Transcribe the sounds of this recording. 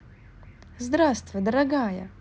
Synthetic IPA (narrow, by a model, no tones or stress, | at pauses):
zd̪ɾast̪vɨd̪əɾɐɡajɐ̰